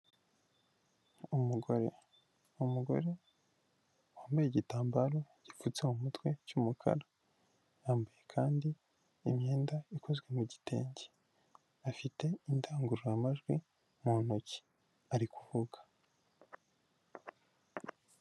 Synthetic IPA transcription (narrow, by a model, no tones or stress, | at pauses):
umuɡo̞ɾe̞̰ | umuɡo̞̰ɾe̞ | waːmbajeɟitaːmbaɾo̞ | ɟ̥ifut͡semumutwe̞cumukʰa̰ɾa | jaːmbaje̞kʰaːndiː | mɲe̞ːndaikʰo̞zɡwe̞muɟite̞̰ːɲɟe | afite̞indaːŋɡuɾojamaʒɡwi | muːn̥oci̥ | aɾikuvuɡḁ